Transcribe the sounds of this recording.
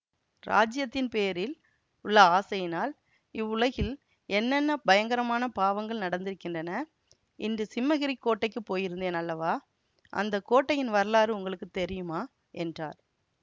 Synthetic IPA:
ɾa̰ːd͡ʒɪjɐt̪ːɪnpeːɾɪl | ʊɭːɐaːsɐjɪnaːl | ɪʋːʊɭɐɣɪl | ɛnːɛnːɐbɐjɐŋɡɐɾɐmaːnɐpaːʋɐŋɡɐɭnɐɽɐnd̪ɪɾɯkːɪndrɐnɐ | ɪndɯsɪmːɐɣɪɾikːoːʈːɐɪkːɯpːoːjɪɾɯnd̪eːnɐlːɐʋaː | ʔɐ̰nd̪ɐkːoːʈːɐjɪnʋɐɾɐlaːɾɯʊŋɡɐɭɯkːɯt̪ːɛɾɪjɯmaː | ʔɛndra̰ːɾ

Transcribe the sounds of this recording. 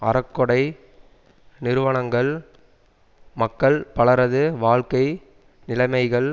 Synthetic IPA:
ɐɾɐkːɔɽɐɪ | nɪɾɯʋɐɳɐŋɡɐɭ | mɐkːɐɭpɐɭɐɾɐðɯʋaːɭkɐɪ | nɪlɐɪmɐɪɣɐɭ

